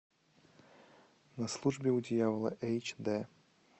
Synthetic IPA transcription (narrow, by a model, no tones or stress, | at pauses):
nɐslˠuʐbʲɪʊdʲɪjavəlˠə̰ʔɛjt͡ɕd̪ɛ